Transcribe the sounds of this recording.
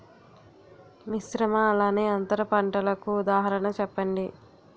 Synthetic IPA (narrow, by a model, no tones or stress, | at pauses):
misɾɐmɐːlaːneːɐnt̪ɐɾɐpɐɳʈɐlɐkuːd̪aːɦɐɾɐɳɐt͡ʃɛpːɐɳɖi